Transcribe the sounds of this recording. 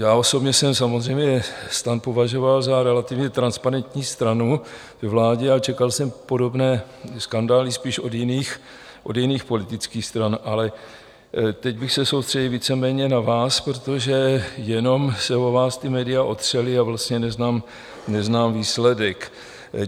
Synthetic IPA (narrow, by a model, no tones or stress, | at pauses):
jaːo̞so̞bɲɛsɛmsamozr̝ɛjmɲɛst̪anpo̞vaʒo̞valzaɾɛlat̪ɪvɲɛt̪ɾanspaɾɛnt̪ɲiːst̪ɾanu | vɛvlaːɟɛat͡ʃɛkalsɛmpo̞do̞bnɛː | skandaːlɪspiːʃo̞djɪniːx | ʔodjɪniːxpo̞lɪt̪ɪt͡skiːxst̪ɾanʔalɛ | t̪ɛɟbɪxsɛsowst̪r̥ɛɟɪlviːt͡sɛmɛːɲɛnavaːspɾot̪oʒɛjɛno̞msɛvovaːst̪ɪmɛːdɪaʔo̞t̪r̝̥ɛlɪavlast̪ɲɛnɛznaːm | nɛznaːmviːslɛdɛk